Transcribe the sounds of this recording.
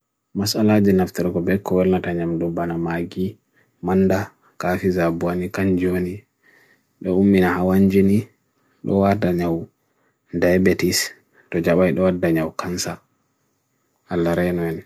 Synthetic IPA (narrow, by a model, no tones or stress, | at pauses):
masalad͡ʒɛnaftɛɾɡɔbɛkːɔwɛlnataɲamdɔbanamaɡi | manda | kafizabuanikaɲd͡ʒoni | ɗɔumːinahawaɲd͡ʒini | ɗɔ̰wataɲaw | dajbɛtis | tɔd͡ʒaɓajɗɔwadːaɲawkansa | alːaɾɛnɔɛn